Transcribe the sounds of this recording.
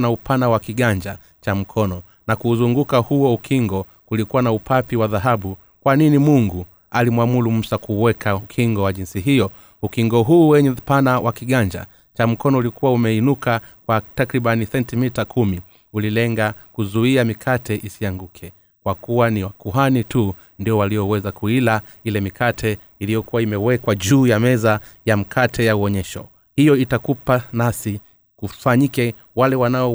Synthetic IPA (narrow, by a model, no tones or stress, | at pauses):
naupʰanawakiɠaɲd͡ʒa | t͡ʃam̩kʰɔnɔ | nakuːzuŋɡukahuɔukʰiŋɡɔ | kulikuwanaupʰapiwaðaɦaɓu | kwaninimuŋɡu | alimwamulum̩sakuwɛkʰaukʰiŋɡɔwaʄinsiɦijɔ | ukiŋɡɔɦuːwɛɲɛpanawʔakiɠaɲd͡ʒa̰ | t͡ʃam̩kɔnɔulikuwaumɛinuka | kwatakɾiɓanisɛntimitakʰumi | ulilɛŋɡakuzuiamikʰatʰɛʔisiaŋɡukʰɛ | kwakuwaniwakuɦanitu | ndiɔwalijɔwɛzakuila | ilɛmikʰatʰɛ | ilijɔkuwaimɛwɛkwaʄuːjamɛzajam̩kʰatʰɛjauɔɲɛʃɔ̰ | hijɔitakupanasi | kufaɲikɛ | walɛwanaɔ